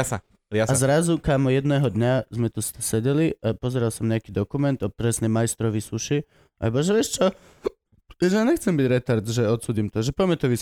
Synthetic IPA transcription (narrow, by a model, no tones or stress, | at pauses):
asa | aazɾazukaːmɔjɛd̪nɛːɦɔd̪ɲazmɛt̪ust̪sɛɟɛliʔapɔzɛɾalsɔmɲɛakiːd̪ɔkumɛnt̪ɔt̪ɾɛsnɛjmajst̪ɾɔʋisuʃi | ʔa̰ɛbɔʒɛʋɪɛʃt͡ʃɔ | ʒɛaːɲɛxt͡sɛmbiɟɾɛt̪aɾd̪ʒɛɔt̪suːdimt̪ɔʒɛpɔjɛmɛt̪ɔʋis